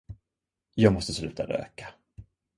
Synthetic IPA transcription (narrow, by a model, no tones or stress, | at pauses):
jɑːɡmɔst̪əslʉ̟ːt̪ʰa̰d̪ø̰ːkḁ